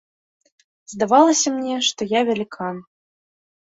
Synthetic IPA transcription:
zd̪avalˠɐsʲɐmnʲɛʂt̪ɔjavʲalʲikʰa

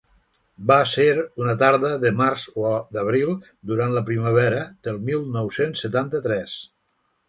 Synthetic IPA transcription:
baseɾunət̪aɾðəðəmaɾzoɔd̪əβ̞ɾilˠ | d̪uɾant̪ləpɾiməβ̞ɛɾəd̪əlˠmilˠnɔwsensːət̪ant̪ət̪ɾɛs

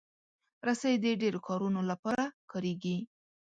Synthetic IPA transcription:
ɾasaid̪əɖeɾokʰɑɾunolapɑɾakɑɾeɡi

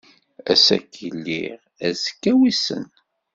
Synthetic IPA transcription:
æ̰sæ̰kʰːəlːḭʁ | æzkːæwisə̰n

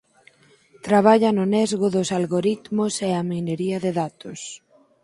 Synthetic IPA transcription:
t̪ɾaβ̞aʎɐnʊnɛzɣʊðʊsalɣoɾit̪mʊseɐmineɾiɐðeðat̪ʊs

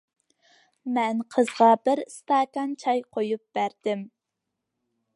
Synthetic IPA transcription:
mɛnqʰəzʁɑbɪɾst̪ɑːkɑnt͡ʃʰɑjqʰojup̚b̥æɾd̪ɪm

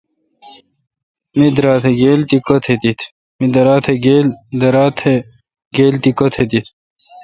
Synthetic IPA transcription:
mid̪ɾaːt̪ʰeɡeːlt̪ikot̪ʰet̪it̪ʰ | mid̪ɐɾaːt̪ʰeɡeːld̪ɐɾaːt̪ʰe | ɡeːlt̪ikot̪ʰet̪it̪ʰ

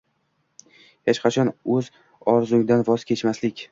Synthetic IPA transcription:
het͡ʃqʰɑt͡ʃʰɒnɵz | ɒɾzʊŋd̪anvɒzkʲʰe̞t͡ʃmaslɪkʲ

